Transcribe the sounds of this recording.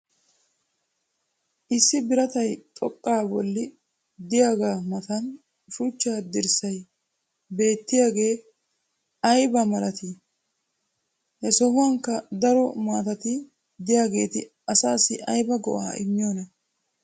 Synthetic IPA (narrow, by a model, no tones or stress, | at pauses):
ʔɪsːɪbɪɾɐt̪ɐjt̪ʼɔkʼːaːbɔ̰lːɪ | d̪ɪjaːɡaːmɐt̪ɐn | ʃut͡ʃːaːd̪ɪɾsɐj | be̞ːt̪ːɪjaːɡe̞ː | ɐjbɐmɐlɐt̪ɪ | hɛsɔhʊɐŋkːɐd̪ɐɾɔmaːt̪ɐt̪ɪ | d̪ɪjaːɡe̞ːt̪ɪ | ɐsaːsɪʔɐjbɐɡɔʔa̰ːʔɪ̰mːɪjoːnɐ